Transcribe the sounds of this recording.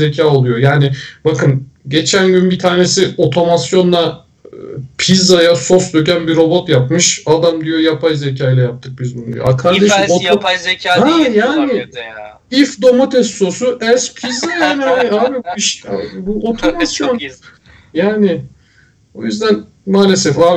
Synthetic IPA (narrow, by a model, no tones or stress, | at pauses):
ecʰaːo̞lˠujo̞jaːnɪbakɯn | ɟe̞t͡ʃʰænɟynbit̪ʰaːne̞sio̞t̪ʰo̞masjo̞nlˠa | pʰizajaso̞sd̪ø̞cænbiɾo̞bot̪japmɯʃad̪amd̪ijo̞japʰajze̞c̬ʰaːjlʲɛjap̚t̪ʰɯk̚bizmunḭjo̰akʰaɾd̪eʃimot̪jhajaːnɪ | ifd̪o̞mot̪ʰɛsːo̞suʔɛspʰizajaːniaɪaːbiiʃabuʔo̞t̪ʰomasjo̞n | jaːnɪ | o̞̰jyzd̪æn | maːlʲe̞sɛfaː